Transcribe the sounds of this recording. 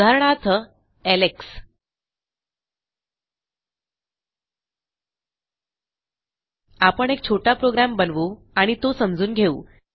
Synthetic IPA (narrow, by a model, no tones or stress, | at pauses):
aɾɳat̪ʰə | æleks | apəɳek̚t͡ɕʰoʈapɾoɡɾambənʋo | aɽ̃it̪osəmd͡zuːnɡʱeṵː